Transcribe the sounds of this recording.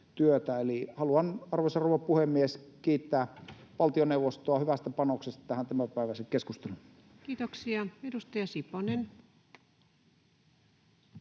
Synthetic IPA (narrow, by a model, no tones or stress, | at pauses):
t̪yøt̪æelihɑluɑnɑrʋesɑroʋɑppuhemːieskiːt̪ːæːʋɑlt̪ioneuʋˑost̪oɑhyʋæst̪æpɑnoksest̪ɑt̪æhænt̪æmæpæˑiʋæˑsekkeskust̪elun | kiːt̪oksiɑedust̪ɑjɑsiponen